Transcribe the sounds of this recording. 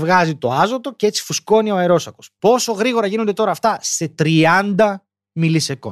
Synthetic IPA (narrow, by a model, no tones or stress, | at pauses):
vɣɐzit̪o̞ɐzo̞t̪o̞cee̞t͡si̥fusko̞nio̞ɐeɾo̞sɐko̞spo̞so̞ɣɾiɣo̞ɾɐʝino̞nd̪e̞t̪o̞ɾɐːft̪ɐste̞t̪ɾiɐnd̪ɐ | miliseko̞̰